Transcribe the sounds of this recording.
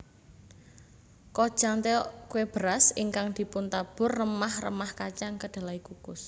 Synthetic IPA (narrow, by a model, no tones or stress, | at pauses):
kɔd̥ʒ̥a̤ŋt̪ekueb̥əɾasiŋkaŋd̪̥i̤pʊnt̪ab̥ʊ̤rːəmahrə̰mahkat͡ʃaŋkəɖ̥a̤laikukʊs